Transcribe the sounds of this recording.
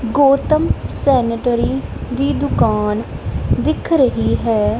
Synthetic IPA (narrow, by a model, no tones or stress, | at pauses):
ɡoːt̪əmsɛːnəʈɾiːd̪iːd̪ʊkaːnd̪ɪkʰɾəɦiːɦɛː